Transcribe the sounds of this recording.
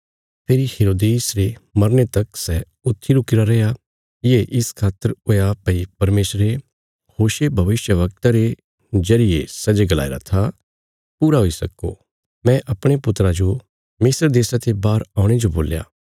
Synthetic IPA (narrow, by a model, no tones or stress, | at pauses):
pʰeːɾiheːɾoːd̪eːsɾemɐɾnet̪ɐksɛ | ʊt̪ʰːiɾʊkɪɾaɾɐja | jeʔɪskʰaːt̪əɾoːjapɐipɐɾmeːsɾe | hoːʃebʱɐʋɪʃjəʋɐk̚t̪aɾe | zɐɾɪjesɐd͡ʒeɡəla̰ːiɾa̰t̪ʰa | puːɾaɦoisɐ̰ko̰ | mɛ̃ʔɐpɽ̃epʊt̪ɾad͡ʒo | mɪsɾd̪eːsat̪ebaːɾaːʊ̃ɽ̃ed͡ʒobo̰ːlja̰ː